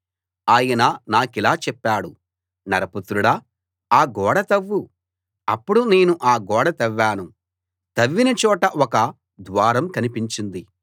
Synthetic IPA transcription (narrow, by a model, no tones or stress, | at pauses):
aːjɐnɐnaːkilaːt͡ʃɛpːaːɽu | nɐɾɐput̪ɾuɽɐ | aːɡɔːɽɐt̪ɐʋːu | ɐpːuɽune̞ːnuʔaːɡɔːɽɐt̪ɐʋːaːnu | t̪ɐʋːinɐt͡ʃɔːʈɐʔʔɔkɐ | d̪ʋaːɾɐmkɐnipiɲt͡ʃind̪i